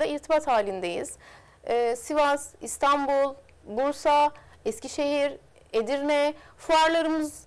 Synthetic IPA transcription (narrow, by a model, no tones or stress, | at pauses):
d̪aiɾt̪ʰibat̪haːlʲind̪ejḭz̥ | ɛːsivaz̥ist̪ʰanbulˠ | buɾsa | ɛsciʃe̞ɦiɾ | ed̪iɾnɛfuaɾlˠaɾɯmɯz